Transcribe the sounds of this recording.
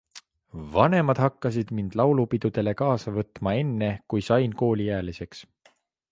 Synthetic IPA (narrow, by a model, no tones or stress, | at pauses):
vɑne̞mɑd̪̥hɑkːɑsid̪̥mind̪̥lɑwlupid̪̥ud̪̥e̞le̞kɑːsɑvɤt̪ˑmɑe̞nːe̞kujsɑjnko̞ːlʲijæːlise̞ks